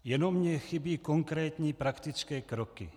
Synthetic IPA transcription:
jɛnomɲɛxɪbiːkoŋkɾɛːt̪ɲiːpɾakt̪ɪt͡skɛːkɾokɪ̰

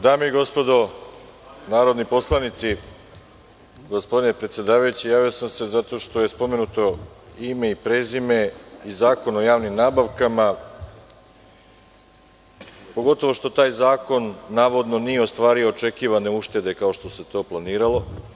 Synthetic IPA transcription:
d̪aːmeiɡo̞spo̞d̪o̞ | naːɾo̞d̪nipo̞slˠanit̪si | ɡo̞spo̞d̪inepɾet̪sjed̪aːʋajut͡ɕijaːʋijo̞samse̞zat̪o̞ʃt̪o̞je̞spo̞me̞nut̪o̞ime̞ipɾeːzime̞izaːko̞no̞jaːʋnimnaːbaʋkama | po̞ɡo̞t̪o̞ʋo̞ʃt̪o̞t̪aːjzaːko̞nːaːʋo̞d̪no̞nijeo̞st̪ʋaːɾioːt͡ʃe̞kiːʋane̞uʃt̪e̞d̪e̞kao̞ʃt̪o̞se̞t̪o̞ːplˠaniːɾalˠo̞

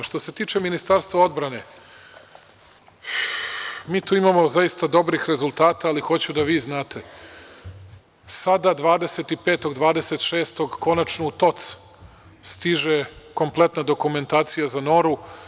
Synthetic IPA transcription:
ʃt̪ose̞t̪iːt͡ʃe̞minist̪aɾst̪vʋao̞d̪bɾane̞ | miːt̪uːimamo̞zaist̪ad̪o̞bɾixɾe̞zulˠt̪aːt̪aːlixo̞t͡ɕud̪aʋiːznaːt̪ʰe̞ | sad̪ad̪ʋaːd̪e̞se̞t̪ipeːt̪o̞ɡd̪ʋaːd̪e̞se̞t̪ʃe̞ːst̪oɡko̞nat͡ʃnout̪o̞t̪s | st̪iʒeko̞mplˠe̞t̪nad̪o̞kume̞nt̪aːt̪sijazano̞ɾu

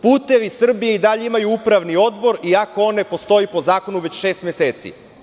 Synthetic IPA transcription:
puːt̪e̞ʋisr̩bijeid̪aʎe̞imajuupɾaʋnio̞d̪bo̞ɾiakoo̞ne̞po̞st̪o̞ipo̞zaːko̞nuʋe̞t͡ɕʃe̞ːst̪mjese̞ːt̪sḭ

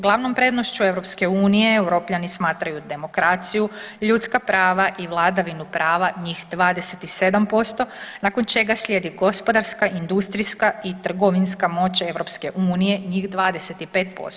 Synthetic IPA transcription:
ɡlˠaʋno̞mpɾe̞ːd̪noʃt͡ɕue̞ʋɾo̞pske̞uːnijeeuɾopʎanismaːt̪ɾajud̪e̞mo̞kɾat̪sijuʎut̪skapɾaːʋaʔiʋlˠad̪aʋinupɾaːʋaɲixd̪ʋaːd̪e̞set̪ise̞d̪ampo̞st̪o̞naːko̞nt͡ʃe̞ɡasʎʲe̞ːd̪iɡo̞spo̞d̪aɾskaʔind̪ust̪ɾiskait̪r̩ɡo̞ʋinskamo̞t͡ɕe̞ʋwɾo̞pske̞ʔuːnije̞ɲixd̪ʋaːd̪e̞set̪ipe̞ːt̪̚po̰st̪o

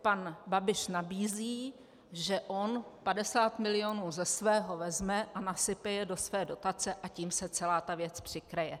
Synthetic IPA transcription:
panbabɪʃnabiːziː | ʒɛʔo̞npadɛsaːt̪mɪlɪo̞nuːzɛsvɛːɦo̞vɛzmɛʔanasɪpɛjɛdo̞svɛːdo̞t̪at͡sɛʔaciːmsɛt͡sɛlaːt̪avjɛt͡spr̝̥ɪkɾɛjɛ

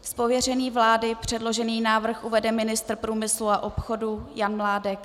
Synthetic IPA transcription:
spovjɛr̝ɛniːvlaːdɪpr̝̥ɛdlo̞ʒɛniːnaːvr̩xʔuvɛdɛmɪnɪst̪r̩pɾuːmɪsluaʔo̞pxo̞dujanmlaːdɛk

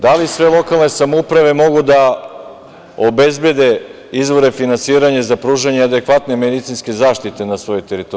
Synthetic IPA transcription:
d̪alisʋe̞lˠo̞kalˠne̞samoupɾaʋe̞mo̞ɡud̪a | obe̞zbje̞d̪e̞ | izʋo̞ɾe̞finansiːɾaɲezapɾuːʒaɲead̪e̞kʋat̪ne̞med̪it̪sinske̞zaːʃt̪it̪e̞nasʋo̞jojt̪e̞ɾit̪o

